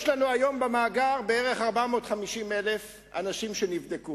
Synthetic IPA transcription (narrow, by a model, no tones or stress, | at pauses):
ʃlanuajo̞mbamaːɡaʁbeeʁe̞χaʁbamo̞ːtχamiʃimelef | a̰naʃimʃenivd̪eku